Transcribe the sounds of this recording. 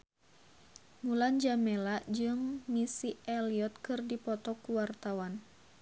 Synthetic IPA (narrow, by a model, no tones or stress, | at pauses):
muland͡ʒamɛlaʔd͡ʒɨŋmisiɛliɔt̪̚kɨrdipɔt̪ɔkuwart̪awan